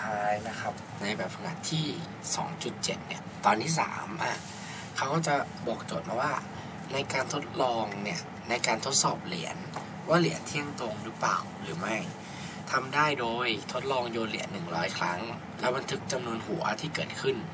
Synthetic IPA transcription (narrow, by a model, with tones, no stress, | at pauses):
t̪ʰaː˧jna˦˥kʰa˦˥p̚ | na˧jbɛː˨˩p̚ha˧˩ŋa̰˨˩˦t̪ʰːiː˥˩ | sɔ̰ː˩˦ŋt͡ɕu˨˩t̪̚t͡ɕe˨˩t̪̚ni˧˥˩ɐt̪ɔː˧nt̪ʰiː˥˩sa̰ː˩˦mʔa˨˩ | kʰa˦˥wkɔː˥˩t͡ɕa˨˩ | bɔː˨˩k̚t͡ɕoː˨˩t̪̚maː˧˩waː˥˩ | na˧jkaː˧nt̪ʰo˦˥t̪̚lɔː˧ŋni˥˩ɐ | na˧jkaː˧nt̪ʰo˦˥t̪̚sɔː˨˩p̚lḭ˨˩˦ən | waː˥˩lḭ˨˩˦ənt̪ʰi˥˩əŋt̪o˧ŋɾɯː˦˥pla̰ː˨˩wɾɯː˩˦ma˥˩j | t̪ʰa˧mdaː˥˩jdoː˧jt̪ʰo˦˥t̪̚lɔː˧ŋjoː˧nlḭ˩˦ənːɯ˨˩ŋɾɔː˦˥jkʰɾa˦˥ŋ | lɛː˦˥wba˧nt̪ʰɯ˦˥k̚t͡ɕa˧mnu˧ənɦu˨˩˦ɐ˦t̪ʰiː˥˩kɤː˨˩t̪̚kʰɯ˥˩n